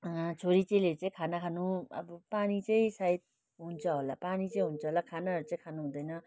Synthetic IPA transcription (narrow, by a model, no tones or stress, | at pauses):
t͡sʰoɾit͡sʌĩlet͡sʌĩkʰanakʰanuʌ̰bʌpanit͡sʌĩsait̪̚ | ɦunt͡sʰʌɦolapanit͡sʌĩɦunt͡sʰʌɦolakʰanaʌɾut͡sʌĩkʰanuɦũd̪ʌjnʌ